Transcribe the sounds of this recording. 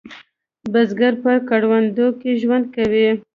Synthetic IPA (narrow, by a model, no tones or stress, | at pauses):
bazɡaɾpəkaɽwand̪okeʒwand̪̚kawi